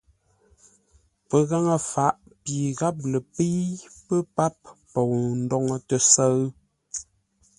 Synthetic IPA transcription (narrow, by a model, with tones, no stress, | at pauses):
pə˨ɣa˦ŋə˨fa˨˦ʔpi˨ɣa˦p̬̚lə˨pe˦jpə˦pa˦p̚pɔ˨n̩˦dɔ˨ŋə˨tə˨sə˦ɰ